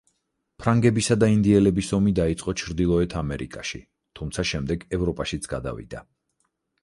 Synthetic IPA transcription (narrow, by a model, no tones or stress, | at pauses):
pʰɾaŋɡɛbisad̪aind̪iɛlɛbisɔmid̪ait̪sʼqʼɔt͡ʃʰɾd̪ilˠɔɛt̪ʰamɛɾʔikʼaʃḭ | t̪ʰumt̪sʰaʃɛmd̪ɛɡɛvɾɔpʼaʃit̪sʰɡ̥ad̪a̰vḭd̪̥a